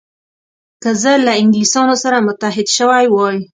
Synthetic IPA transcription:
kəzəlaɪŋɡlisɑnosaɾamʊt̪aɦɪd̪ʃəwajwɑj

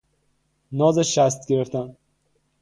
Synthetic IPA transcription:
nɒːzeʃæst̪̚ɡʲeɾeft̪æn

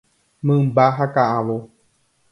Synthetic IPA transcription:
mɨ̃mbaɦakaʔãʋo

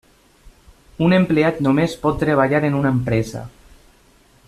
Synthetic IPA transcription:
unempleat̪nomespɔt̪ːɾeβ̞aʎaɾenunaempɾɛza̰

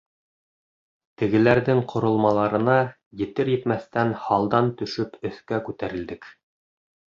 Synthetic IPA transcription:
t̪ɘ̆ɡɘ̆læɾðɘŋqʰŏɾŏlˠmɑlˠɑɾɤ̆nɑ | jɘ̆t̪ɘɾjɘ̆t̪mæθt̪ænhɑlˠd̪ɑnt̪ɵ̆ʃɵpɵ̆θkækʉt̪æɾɘ̆ld̪ɘk

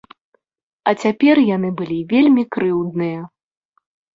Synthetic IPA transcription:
ɐt͡sʲapʲɛrjan̪ɨbɨlʲivʲelʲmʲikɾɨwd̪̚nɨjɐ

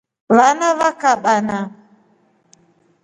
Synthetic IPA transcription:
vanavakaɓana

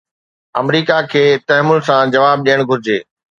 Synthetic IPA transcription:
ɐmɾiːkakʰeːt̪ɐɦmʊn̆sãd͡ʑɐʋaːb̚ɗijəɽ̃ɡʱʊɾɪd͡ʑeː

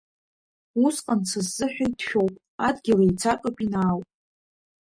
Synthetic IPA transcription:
usqʼant͡sʰazːɨħᶣajtʃᶣo̞wpʼ | adɡʲɪlajt͡sʰakʷʼapʼinaːwpʼ

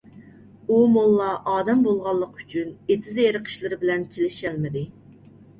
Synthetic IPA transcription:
umolˠːɑʔɑːd̪ɛmbolˠʁɑlˠːəqy̥t͡ʃʰynet̪ʰɪzeɾəqʰə̥ʃlˠɨɾɪbɪlɛnkʲʰelɪʃɛlmɪd̪ɪ

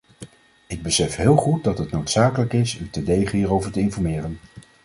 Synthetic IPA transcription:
ɪɡ̚bəsɛfɦɪːlˠχut̚dɑtɦətnowtsaːkələkɪsytədejχəɦiːɹowvəɹtəɪnfɔɹmɪːrən

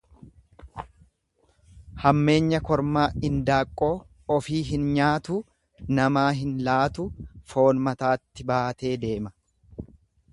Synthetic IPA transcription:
hɐmːe̞ːɲːɐkɔɾmaːɪnd̪aːkʼːo̞ː | ɔfiːɦɪnɲaːt̪u | nɐmaːɦɪnlaːt̪ʊfo̞ːnmɐt̪aːt̪ːɪbaːt̪e̞ːd̪e̞ːmɐ

